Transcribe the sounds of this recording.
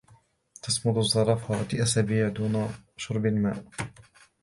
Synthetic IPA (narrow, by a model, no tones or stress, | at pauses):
t̪ɑsmʊd̪ˤʊzˤːɑɾˤɑfawat̪iʔasabiːʕd̪uːnaʃʊɾˤbalma̰ːʔ